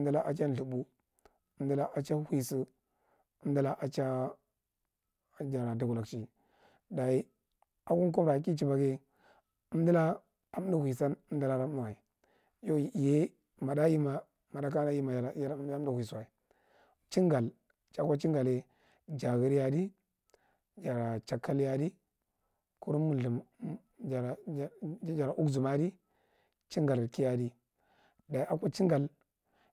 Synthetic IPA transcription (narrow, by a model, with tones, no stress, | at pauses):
ə˦mdə˦la˦ʔa˨t͡ʃa˦n˨ɬu˨bu˦ | ə˦m˦də˦la˦ʔa˨t͡ʃa˦hi˨su˦ | ə˦m˦di˦la˦ʔa˨t͡ʃa˦ | d͡ʒa˨ɾa˨du˨ɡu˨la˨kt͡ʃi˨ | da˨i˦ | a˦ku˦n˦k̬u˦mɾa˨ki˦t͡ʃi˨ba˨ɡe˦ | ə˦m˦də˦la˦ | a˦m˦du˦hʷi˨sa˦nə˦m˦də˦la˨ɾa˦u˦˨wa˨i˨ | jo˦˨je˦ | ma˨da˦ji˦ma˨ | ma˨da˦ka˦na˦ji˦ma˨ja˦a˦m˦du˦hʷu˨i˨su˨wa˨i˨ | t͡ʃi˦ŋɡa˨l | t͡ʃa˨kʷa˦t͡ʃi˦ŋɡa˨le˨ | d͡ʒa˨ɣi˦ɾja˨di˦ | d͡ʒa˨ɾa˨t͡ʃa˨kːa˦lja˦di˦ | ku˦ɾmu˨u˨m˨ | d͡ʒa˨ɾ | d͡ʒa˨ɾa˨ʔu˦ɡzu˨ma˦di˦ | t͡ʃi˦ŋɡa˨lki˦ja˨di˦ | da˨i˦a˨kʷa˦t͡ʃi˦ŋɡa˨l